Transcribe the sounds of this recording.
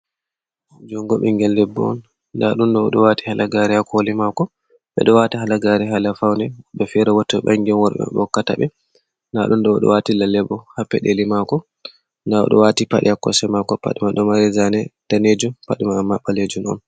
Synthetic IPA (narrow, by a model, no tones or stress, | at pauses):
d͡ʒɔŋɡɔɓɛŋɡɛlːɛbːɔɔ̰nː | daɗunɗɔɔɗɔwatihalaɡaɾihakolimakɔ | ɓɛ̰ɗɔwatiɦalaɡaɾiɦalafawnɛɓɛfɛɾawɔtːɔɓa̰ŋɡɛnwɔɾɓɛ̰bɔkːataɓɛ | naɗunɗɔɔɗɔ̰watilalɛbːɔhapːɛɗelimakɔ | ndaɔ̰ɗɔ̰watipaɗḭakːɔsɛmakɔpa̰ɗimaɗɔmaɾizanɛd̥aned͡ʒumpaɗimaːmːaɓaled͡ʒunɔ̰n